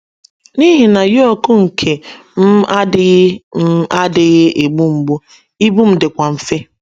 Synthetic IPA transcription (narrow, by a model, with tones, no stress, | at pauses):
ni˦ɦi˨na˨jo˦ku˦ŋ̩˨kʰe˨m̩˦a˦ɪ˦ɣm̩˦a˦dɪ˨ɣɪ˦ʔe˨ɡ͡bu˦ŋ͡m̩˨ɡ͡bu˦ | i˦bu˦m̩˦dɪ˨kʷa˨m̩˨fe˦